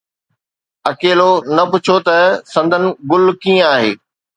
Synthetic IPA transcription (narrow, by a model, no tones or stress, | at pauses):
ɐkeːlonɐpʊt͡ɕʰot̪ɐsɐ̃nd̪ʱənɪ̆ɡʊlkĩːə̃aːɦḛː